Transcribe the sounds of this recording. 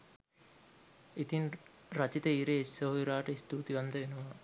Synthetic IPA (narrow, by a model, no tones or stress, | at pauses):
it̪in | rat͡ʃit̪əiːɾeisɐɦuiɾaːʈəist̪uːt̪iʋand̪əʋenuʋa